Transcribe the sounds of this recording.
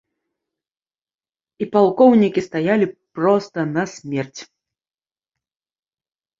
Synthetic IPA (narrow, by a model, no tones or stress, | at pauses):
ipalˠkɔwnʲikʲist̪ajalʲipɾɔst̪ɐnɐsʲmʲɛrt͡sʲ